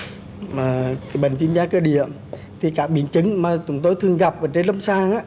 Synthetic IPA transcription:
maː˨˩ka˨˦jɓə˨˩ŋt͡ɕwi˧˦mzaː˨˧˥kəː˧ɗḭ˧˨əm | t̪ʰi˨˩kaː˦˥k̚ɓi˧˩ənt͡ɕɨ˨˧˦ŋmaː˨˩t͡ɕʊ˨˦ŋ͡mt̪o˧jt̪ʰɨ˨˩əŋɣa˨˩p̚vaː˨˩t͡ɕe˧nlə˧ŋ͡msaː˧ŋʔaː˧˥

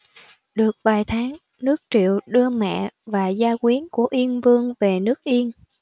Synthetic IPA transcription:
ɗɨ˨˩ək̚vaː˨˩jt̪ʰaː˨˦ŋ | nɨ˦˥ək̚t͡ɕḭ˧˨əwɗɨ˧əmɛ̰˧˨vaː˨˩zaː˧kwi˨˦ənku˧˩əʔi˧ənvɨ˧əŋve˨˩nɨ˦˥ək̚ʔi˧ən

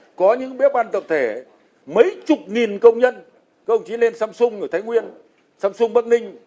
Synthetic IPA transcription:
kɔ˨˦ɲɨ̰˧˥ŋɓi˨˦˥əp̚ɓaː˧nt̪ə̰˨˩p̚t̪ʰe˧˩ | mə˨˦jt͡ɕʊ˨˩k͡p̚ŋi˨˩nkə˧wŋ͡mɲə˧n | kə˧wŋ͡mt͡ɕi˨˦le˧nsaː˧msʊ˧ŋ͡mʔə˨˧˩t̪ʰa˨˦jŋwi˧ən | saː˧msʊ˧ŋ͡mɓə˦˥k̚ŋï˧ŋ̟

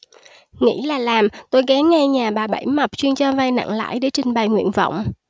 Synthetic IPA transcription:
ŋḭ˧˥laː˨˩laː˨˩mt̪o˧jɣɛ˨˦nŋɛ˧ɲaː˨˩ɓaː˨˩ɓə̰˧˩jma˨˩p̚t͡ɕwi˧nt͡ɕɔ˧va˧jna̰˧˨ŋla̰ː˧˥˨jɗe˧˩˦t͡ɕï˨˩ŋ̟ɓə˨˩jŋwḭ˧˨ənvɔ̰˧˨wŋ͡m

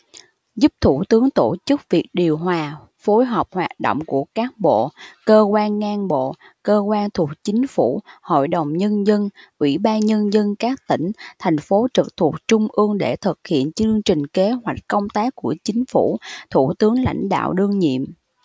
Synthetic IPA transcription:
zu˦˥p̚t̪ʰu˧˩t̪ɨ˨˦əŋt̪o˧˩t͡ɕɨ˦˥k̚vi˨˩ək̚ɗi˨˩əwɦwaː˨˩ | fo˨˦jɦə˨˩p̚hwaː˨˩t̚ɗo̰˧˨wŋ͡mku˧˩əkaː˦˥k̚ɓo̰˧˨kəː˧kwaː˧nːaː˧nɓo̰˧˨ | kəː˧kwaː˧nt̪ʰu˨˩ək̚t͡ɕï˨˦ŋ̟fu˧˩ho̰˧˨jɗə˨˩wŋ͡mɲə˧nzə˧nʔwḭ˧˩ɓaː˧nɲə˧nzə˧nkaː˦˥k̚t̪ï˧˩ŋ̟t̪ʰɛ˨˩jŋ̟fo˨˦t͡ɕɨ˨˩k̚t̪ʰu˨˩ək̚t͡ɕʊ˧ŋ͡mʔɨ˧əŋɗe˧˩t̪ʰɨ˨˩k̚hḭ˧˨ənt͡ɕɨ˧əŋt͡ɕï˨˩ŋ̟ke˨˦ɦwa˨˩jk̟̚kə˧wŋ͡mt̪aː˦˥kːu˧˩ət͡ɕï˨˦ŋ̟fu˧˩t̪ʰu˧˩t̪ɨ˨˦əŋla̰˧˩jŋ̟ɗa̰ː˧˨wɗɨ˧əŋɲḭ˧˨əm

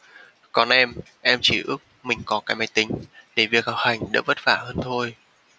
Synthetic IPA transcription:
kɔ˨˩nʔɛ˧m | ʔɛ˧mt͡ɕi˧˩ʔɨ˦˥ək̚mï˨˩ŋ̟kɔ˨˦kaː˨˦jma˧˩jt̪ï˨˦ŋ̟ɗe˧˩vi˨˩ək̚ha˨˩w̚ha˨˩jŋ̟ɗa̰ː˧˥və˦˥t̚faː˧˩həː˧nt̪ʰo˧j

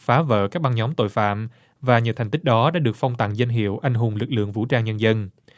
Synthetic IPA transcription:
faː˨˦və̰ː˧˨kaː˦˥k̚ɓa˧ŋɲɔ˨˦mt̪o̰˧˨jfa̰ː˧˨m | vaː˨˩ɲɨ̰˧˥˩t̪ʰŋ̟t̪i˦˥k̚ɗɔ˨˦ɗa̰ː˧˥ɗɨ˨˩ək̚fa˧wŋ͡mt̪a̰ː˧˨ŋzə˧jŋ̟ɦḭ˧˨əwʔa˧jŋ̟ɦʊ˨˩ŋ͡mlɨ˨˩k̚lɨ̰˧˨əŋvṵ˧˥t͡ɕaː˧ŋɲə˧nzə˧n

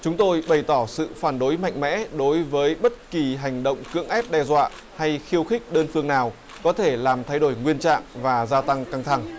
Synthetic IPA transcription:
t͡ɕʊ˨˦ŋ͡mt̪o˧jɓə˨˩jt̪ɔ˧˩sɨ̰˧˨faː˧˩nɗo˨˦jma̰˧˨jŋ̟mɛ̰˧˥ɗo˨˦jvəː˨˦jɓə˦˥t̚ki˨˩ɦa˨˩jŋ̟ɗə̰˧˨wŋ͡mkɨ̰˧˥əŋʔɛ˦˥p̚ɗɛ˧zwa̰ː˧˨ | ha˧jxi˧əwxï˦˥k̟̚ɗəː˧nfɨ˧əŋnaː˨˩w | kɔ˨˦t̪ʰe˧˩laː˨˩mt̪ʰa˧jɗo˧˩jŋwi˧ənt͡ɕa̰ː˧˨ŋvaː˨˩zaː˧t̪a˧ŋka˧ŋt̪ʰa˧˩ŋ

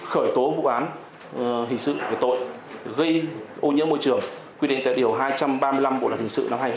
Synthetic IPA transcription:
xəː˧˩jt̪o˨˦vṵ˧˨ʔaː˨˦n | ɦï˨˩ŋ̟sɨ̰˧˨ki˧˩t̪o̰˧˨j | ɣə˧jʔo˧ɲɨ̰˧˥ənmo˧jt͡ɕɨ˧˩əŋ | kwi˧ḭ˧˨ŋ̟t̪a̰˧˨ɗi˨˩əwɦaː˧jt͡ɕa˧mɓaː˧mɨ˧la˧mɓo̰˧˨lːnhi˨˩ŋsɨ̰˧˨na˧mhaː˧j

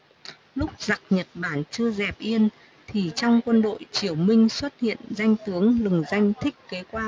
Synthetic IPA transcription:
lʊ˦˥k͡p̚za˨˩k̚ɲə˨˩t̚ɓaː˧˩nt͡ɕɨ˧əzɛ˨˩p̚ʔi˧ən | t̪ʰi˨˩t͡ɕɔ˧wŋ͡mkwə˧nɗo̰˧˨jt͡ɕi˧˩əwmï˧ŋ̟swə˦˥t̚hḭ˧˨ənza˧jŋ̟t̪ɨ˨˦əŋlɨ˨˩ŋza˧jŋ̟t̪ʰï˦˥k̟̚ke˨˦kwaː˧

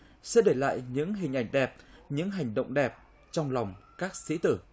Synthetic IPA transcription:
sɛ̰˧˥ɗe˧˩la̰ː˧˨jɲɨ̰˧˥ŋɦï˨˩ŋ̟ʔa˨˧˩jŋ̟ɗɛ˨˩p̚ɲɨ̰˧˥ŋɦa˨˩jŋ̟ɗə̰˧˨wŋ͡mɗɛ˨˩p̚ | t͡ɕɔ˧wŋ͡mla˨˩wŋ͡mkaː˦˥k̚sḭ˧˥t̪ɨ˧˩

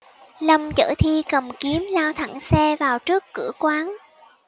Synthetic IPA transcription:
lə˧wŋ͡mt͡ɕə̰ː˧˩t̪ʰi˧kə˨˩mki˨˦əmlaː˧wt̪ʰa̰˧˩ŋsɛ˧vaː˨˩wt͡ɕɨ˦˥əkːɨ̰˧˩əkwaː˨˦n

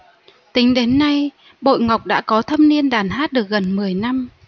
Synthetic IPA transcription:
t̪ï˨˦ŋ̟ɗe˨˦nːa˧j | ɓo̰˧˨jŋa˨˩wk͡p̚ɗa̰ː˧˥kɔ˨˦t̪ʰə˧mni˧ənɗaː˧˩nɦaː˦˥t̚ɗɨ˨˩ə˩k̚ɣə˨˩nmɨ˨˩əjna˧m

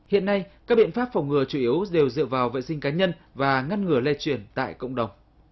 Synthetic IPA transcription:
hḭ˧˨ənːa˧jkaː˦˥k̚ɓḭ˧˨ənfaː˦˥p̚fa˨˩wŋ͡mŋɨ˨˧˩ət͡ɕu˧˩ʔi˨˦əwɗe˨˩wzɨ̰˧˨əvaː˨˩wvə̰˧˨jsï˧ŋ̟kaː˨˦ɲə˧nvaː˨˩ŋa˧nŋɨ˨˧˩əlɛ˧t͡ɕwi˧˩ənt̪a̰ː˧˨jkə̰˧˨wŋ͡mɗə˨˩wŋ͡m

